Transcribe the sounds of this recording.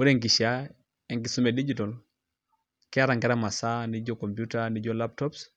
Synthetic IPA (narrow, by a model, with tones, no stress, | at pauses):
wu˦ɾɛ˦ŋɡi˨ʃa | ɛ˨ŋɡi˨su˦mɛ˨di˦d͡ʒitɔl | kɛ˦a˦ɾa˨ŋɡɛ˦ɾama˨sa˦ni˦d͡ʒɔkɔ˨mpjutani˦ɟɔlap̚tɔps